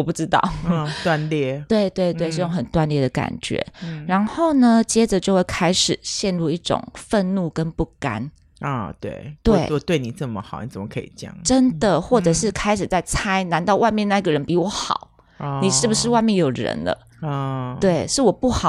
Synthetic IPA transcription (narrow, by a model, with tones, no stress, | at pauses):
wɔ˨˩pu˥˩ʈ͡ʂɻ̩˥t̪ɑ̰˥˩ʊ˩t̪wa˥˧nljɛ˥˩t̪we˥˧ɪt̪we˥˧ɪt̪we˥˧ɪʂ̩˥˧jo˥˩ŋxə˨˩nt̪wa˥˧nljɛ˥˩d̪ə˩ka̰˨˩nt͡ɕɥɛ̰˧˦ɻa˧˥nxo˥˩ʊnə˨t͡ɕjɛ˥ʈ͡ʂə˨˦t͡ɕjo˥˧ʊxwe˥˩kʰa˥ɪʂɻ̩˨˩˦ɕjɛ˥˧nɻu˥˧i˥˩ʈ͡ʂʊ̰˨˩ŋfə˥˧nnu˥˩kə˦npu˥˩ka̰˥n˨˩ | t̪wḛ˥˩ɪt̪we˥˧˩ɪɔ˧t̪we˥˩ɪni˨˩t͡sə˥˩mə˨xɑ˨˩ʊni˨˩t͡sə˨˩mə˦kʰɤ̰˧˦ḭ˨˩t͡ɕjɑ̰˥˩˦ŋʈ͡ʂə˥nd̪ə˨xwɔ˥˩ʈ͡ʂɤ˨˩ʂɻ̩˥˩kʰa˥ɪʂɻ̩˨˩t͡sa˥˩ɪt͡sʰa˥ɪna˧˥nt̪ɑ˥˧ʊwa˥˧ɪmjɛ˥˧na˥˧˩i˧˩ɡə˩ɻə˧˦npi˧˥wɔ˧˩xɑ̰˨˩˦ʊ | ni˨˩ʂɻ̩˥˩bu˩ʂɻ̩˥˧wa˥˧ɪmjɛ˥˩njo˨˩ʊɻə̰˧˥nlə̰˧ | t̪we˥˩ɪʂɻ̩˥˩wɔ˨˩pu˥˩xɑ˨˩